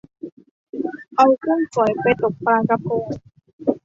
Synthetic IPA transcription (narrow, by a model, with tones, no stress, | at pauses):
ʔa˧wkʰɯ˥˩˨ŋsu˨˩˦jpa˧jt̪o˨˩k̚pɾaː˧ka˧koː˧